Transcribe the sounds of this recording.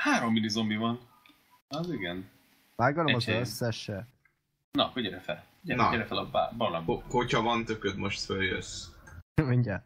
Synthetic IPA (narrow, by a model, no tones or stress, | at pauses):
haːɾomːinizombivɒn | ɒziɡɛn | aːɡɒloɛmɒzøsːɛʃɛ | nɒkuɟɛɾɛfɛ̰lkɟɛnɒɛɾɛfɛlɒba̰bɒlamhochɒvɒnt̪økød̪moʃt̪føljø̰s | miɲɟaːt̪